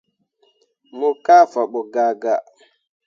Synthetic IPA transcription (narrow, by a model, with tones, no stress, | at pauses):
mo˨ka˦fa˨ɓo˨ɡa˨ɡa˨